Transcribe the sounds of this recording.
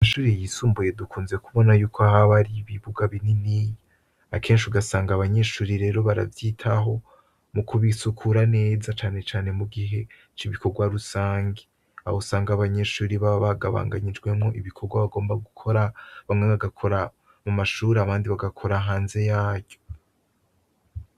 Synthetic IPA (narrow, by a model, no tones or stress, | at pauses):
ʃuːɾijisuːmbuje̞dukuːnze̞kuβo̞najuːkʰoahaβaɾiβiβuɡaβininijo | akʰe̞ːnʃiuɡasaːŋɡaβaɲe̞ʃuːɾiɾe̞ːɾo̞βaɾa̰vjiːtʰaɦo̞ | mukʰuβisukʰuɾane̞ːzat͡ʃaːne̞t͡ʃaːne̞muɡiɦe̞ | t͡ʃiβikʰo̞ɾɡwaɾusaːɲɡe | ahosaːŋɡaːβaɲe̞ʃuːɾiβaβaɡa̰βa̰ːŋɡa̰ɲid͡ʒɡwe̞mŋo̞ʔiβikʰo̞ɡwaβaɡo̞ːmbaɡukʰoɾaβaŋemaɡakʰo̞ɾa | mumaʃuːɾeaβaːndiβaɡakʰo̞ɾaɦaːnze̞jaːɟ̥o̞